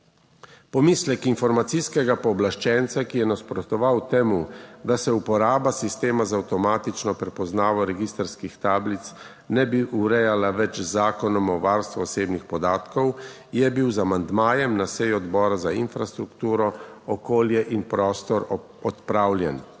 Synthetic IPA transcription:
pɔmiːslɛkinfɔɾmat̪siskɛɡapɔːblaʃt͡ʃɛnt̪sakijɛnaspɾɔt̪ɔʋawt̪ɛmud̪asɛupɔɾaːbasist̪eːmazaːwt̪ɔmaːt̪it͡ʃnɔpɾɛpɔznaːʋɔɾɛɡist̪ɾskixt̪aːblit̪s | nɛbiʔuɾɛjalaʋɛt͡ʃzaːkɔnɔmɔʋaːɾst̪ʋɔɔseːbnixpɔd̪aːt̪kɔw | jɛbiwzamand̪maːjɛmnasɛjuɔd̪bɔːɾazainfɾast̪ɾukt̪uːɾɔɔkoːljɛʔinpɾɔːst̪ɔɾ | ɔt̪pɾaːwlʲjɛn

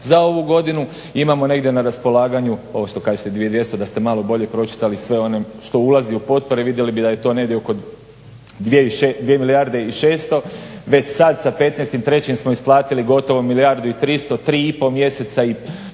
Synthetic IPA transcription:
zao̞ʋuɡo̞d̪inu | imamo̞ne̞ɡd̪je̞naɾaspo̞lˠaːɡaɲuo̞ʋoʃt̪o̞kaːʒet̪ed̪ʋied̪ʋje̞st̪od̪ast̪e̞malˠo̞bo̞ʎe̞pɾo̞t͡ʃi̥t̪alisʋe̞o̞neʃt̪o̞ulaziupo̞t̪̚po̞ɾeʋid̪je̞libid̪aje̞t̪o̞ːneɡd̪jeoko̞d̪ | d̪ʋeiʃed̪ʋjemilijaɾd̪e̞iʃe̞ːst̪o̞ʋe̞t͡ɕsad̪sape̞t̪nest̪imt̪ɾe̞t͡ɕimsmo̞isplˠaːt̪iliɡo̞t̪o̞ʋomiliaɾd̪uit̪ɾist̪o̞t̪ɾiːipo̞mje̞se̞t̪sai

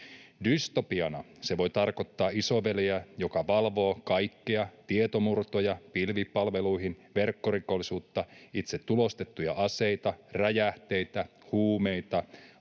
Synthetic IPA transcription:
dyst̪o̞piɑnɑ | se̞ʋo̞jt̪ɑrko̞t̪ːɑːiso̞ʋeleæjo̞kɑʋɑlʋo̞ːkɑjkːeɑt̪iet̪o̞murt̪o̞jɑpilʋipɑlʋe̞luiɦinʋe̞rkːo̞rikolːisuːt̪ːɑit̪set̪ːulo̞st̪e̞t̪ːujɑʔɑse̞jt̪ɑræjæht̪e̞jt̪æ | huːmejt̪ɑ

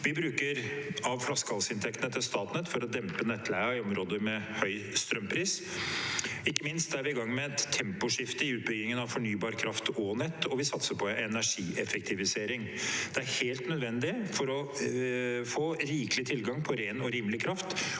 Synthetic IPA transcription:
ʋɪbɾʉːkəɾɑʋflɑskəhɑlsəɪnt̪ʰɛkt̪ənət̪ʰɪlst̪ɑːt̪nɛt̪fɔɾɔd̪ɛmpənɛt̪ʰːlæɔmɾoːd̪əɾmɛhœʏst̪ɾœmpʰɾiːs | ɪkːəmɪnst̪̚d̪æɾʋɪɪɡɑŋːmɛt̪ʰːɛmpʊʂɪft̪əɪʉːt̪̚bʏɡɪŋənɑʋfɔɳyːbɑːɾkʰɾɑft̪ʰɔnɛt̪ːɔʋɪsɑt̪səpʰɔɛnæʂiːʔɛfɛk̚t̪ʰɪʋɪseːɾɪŋ | d̪̥ɛæɾheːlt̪nœd̪ʋɛnd̪ɪfɔɾɔ | foːɾiːklɪt̪ʰɪlɡɑŋpʰɔɾeːnɔɾiːmlɪkʰɾɑft̪

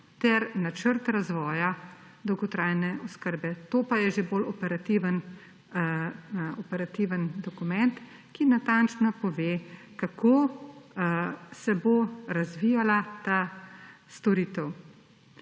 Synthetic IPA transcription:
t̪ɛɾnat͡ʃəɾt̪ɾazʋɔːja | d̪ɔwɡɔt̪ɾaːjnɛʔɔskəɾbɛt̪oːpajɛʒebolɔpɛɾat̪iʋən | ɔpɛɾat̪iːʋənd̪ɔkumɛnt̪ | kinat̪ant͡ʃnɔpɔʋeː | kakʰo | sɛboɾazʋijalat̪a | st̪ɔɾiːt̪əw

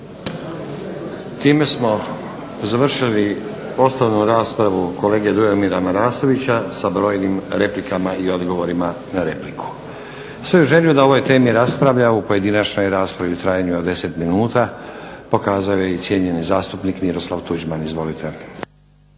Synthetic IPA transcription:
t̪iːme̞smo̞ | zaʋr̩ʃili | o̞st̪oʋnuɾaːspɾaʋuko̞le̞ːɡed̪ujomiɾamaɾaːso̞ʋit͡ɕasabɾo̞ːjnimɾe̞plikamaio̞d̪ɡo̞ʋo̞ɾima | naɾe̞plikʰu̥ | sʋeuʒe̞ljud̪ao̞ʋo̞jt̪e̞ːmiɾaspɾaʋʎaupo̞je̞d̪inat͡ʃno̞jɾaːspɾaʋiut̪ɾaːjaɲuod̪e̞se̞t̪minuːt̪apo̞kaːzajojeit̪sʲje̞ɲe̞nizaːst̪upnikmiɾo̞slˠaʋt̪ud͡ʑmanizʋo̞lit̪ʰe̞

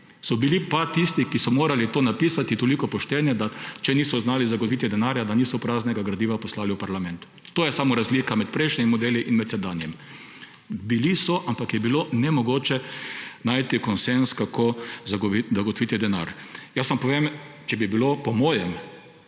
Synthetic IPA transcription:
sɔbilipat̪ist̪ikisɔmoːɾalit̪oːnapiːsat̪it̪olikɔpɔʃt̪ɛnjɛd̪at͡ʃɛniːsɔznaːlizaɡot̪ʋiːt̪ɛd̪ɛnaːɾjad̪aniːsɔpɾaːznɛɡaɡɾad̪iːʋapɔslaːliwpaɾlamɛnt̪ʊ̥ | t̪oːjɛsaːmɔɾazlikamɛt̪̚pɾɛjʃnɛmimɔd̪eːliʔinmɛt̪sɛd̪aːnjɛm | bilisɔʔampakjɛbilonɛmɔɡoːt͡ʃɛnaːjt̪ikɔnsɛnskakʰozaɡiaɡɔt̪ɔʋiːt̪id̪ɛna̰ɾjasʋampɔʋemt͡ʃɛbibilopɔmɔːjɛm

